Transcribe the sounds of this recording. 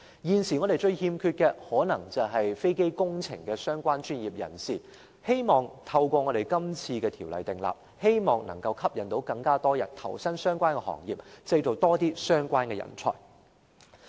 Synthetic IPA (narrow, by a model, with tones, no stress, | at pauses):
jiː˨nsiː˨˩ŋɔː˨˧ɾe˨˩jt͡ʃɵ˧ɥhiː˧mkʰyː˧t̚kɛ˧hɔː˨˥nɐ˨˩ŋt͡sɐ˨wɦɐ˨jfe˥jke˥jkʊ˥ŋt͡sʰɪ̰˨˩ŋkɛː˧sœː˥ŋkʷaː˥nt͡ʃyː˥njiː˨p̚jɐ̰˨˩nsiː˨ | he˥jmɔː˨˩ŋt̪ʰɐ˧wkʷɔː˧ŋɔ˨˧ɾe˨˩jkɐ˥mt͡sʰiː˧kɛː˧t̪ʰiː˨˩wlɐ̰˨˩jt̪ɪ˨ŋla̰ː˨p̚ | he˥jmɔː˨ŋnɐ˨˩ŋkɐ˧wkʰɐ˥p̚jɐ˨nt̪o˨˥wkɐ˧ŋkaː˥t̪ɔː˥jɐ̰˨˩nt̪ʰɐ̰˨˩wsɐ˥nsœː˥ŋkʷaː˥nkɛ˧hɔ̰ː˨˩ŋjḭː˨p̚t͡sɐ˧jt͡so˨wt̪ɔː˥t̪iː˥sœː˥ŋkʷwaː˥nkɛ˧jɐ̰˨˩nt͡sʰɔ̰ː˨˩j